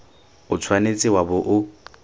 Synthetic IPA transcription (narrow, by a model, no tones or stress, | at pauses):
ʊt͡sʰwanet͡sʼɪwabʊʔʊ